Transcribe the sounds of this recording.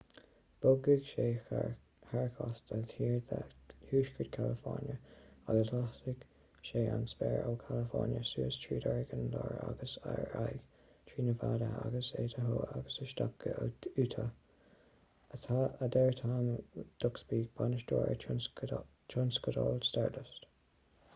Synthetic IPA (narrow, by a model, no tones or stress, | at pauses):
b̥ʊɡɪɡ̥ʃeː | haɹkʰɔstəhiːɹd̪ahuːʃkʰədkʰaləfɔɹnjəaɡəslahtɪɡ̥ | ʃeːansbɛːɹoːkʰaləfɔɹnjəsuːəstʰɹiːdɔɹɡənlɔːɹa̰ɡəsaɹajɡ̥ | tʰɹiːnəvaːdəaɡəseːtəɦoːaɡəsəʃt̪akːəʉːt̪ʰə | ət̪ʰaəd̪ɛɹt̪ʰaːmd̪̥ʊksbiːbanəʃdoːɹə̰ | t͡ʃʰʊnskədɔlstaɹdəst